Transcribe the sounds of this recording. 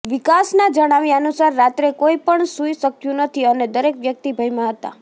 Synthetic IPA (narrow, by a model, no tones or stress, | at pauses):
ʋikasnad͡ʒəɽ̃aʋiənusəɾːat̪ɾekoipəɳsujsəkʰjũnət̪ʰiəned̪əɾekʋjək̚t̪ibʱəjmãɦət̪a̰